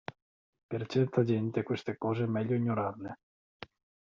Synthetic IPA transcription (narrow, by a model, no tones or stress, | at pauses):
pert͡ʃɛrt̪ad͡ʒɛnt̪ekwest̪ekɔːzemɛʎːoiɲːoɾarne